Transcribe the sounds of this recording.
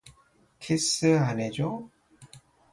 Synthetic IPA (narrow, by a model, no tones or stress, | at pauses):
kʰisɯaned͡ʑo